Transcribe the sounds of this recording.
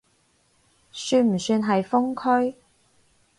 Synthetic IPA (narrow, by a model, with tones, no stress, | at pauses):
syː˧nm̩˨˩syː˧nɦɐ˨jfʊ˥ŋkʰɵ˥ɥ